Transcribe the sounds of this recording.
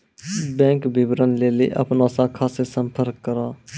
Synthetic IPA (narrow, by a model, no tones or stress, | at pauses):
bɛ̃ːŋkbɪbɾənleːlḛʔə̰pnaːsaːkʰaːsesəmpʰəɾkːəɾaː